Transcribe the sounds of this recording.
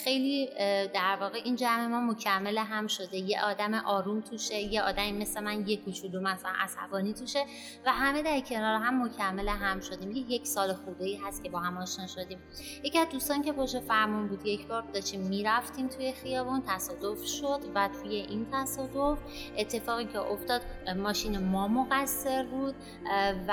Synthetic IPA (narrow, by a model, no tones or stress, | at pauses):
xe̞jliːd̪æɾvɒːɣe̞ʔiːnd͡ʒæme̞mɒːmo̞cʰæmːeleɦæmʃo̞d̪e̞jḛʔɒːd̪æmeʔɒːɾuːmt̪ʰuːʃejeɒːd̪æmime̞sle̞mænje̞kʰut͡ʃʰulumæsælænʔæ̰sæ̰bɒːniːt̪ʰuʃe̞ | væɦæme̞d̪æɾcʰe̞nɒːɾeɦæmːocʰæmːeleɦæmʃo̞d̪iːmjeje̞cʰsɒːlexubeiːɦæst̪cʰe̞bɒːɦæmɒːʃnɒːnʃo̞d̪iːm | jeciæzd̪uːst̪ɒːncʲʰe̞poʃefæɾmunbuːd̪je̞cʰbɒːɾbd̪ɒːʃt̪imːiːɾæft̪iːmt̪ʰuje̞xijɒːbunt̪ʰæsɒːd̪o̞fʃo̞d̪væt̪ʰuːje̞ʔint̪ʰæsɒːd̪o̞f | ʔe̞t̪ʰːe̞fɒːɣicʰeʔoft̪ɒːd̪̥mɒːʃiːnemɒːmoɣæsːe̞ɾbuːd̪̥̚